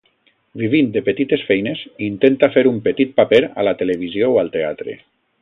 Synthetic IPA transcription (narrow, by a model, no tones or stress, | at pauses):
biβind̪epet̪it̪esfɛjnezint̪ent̪afeɾumpət̪it̪̚papeɾa̰lat̪eleβ̞izjowalˠt̪eat̪ɾḛ